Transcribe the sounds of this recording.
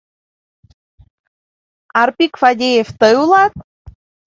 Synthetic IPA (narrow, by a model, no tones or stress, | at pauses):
ɑrpikfadʲejeft̪ɤjulˠɑt̪̚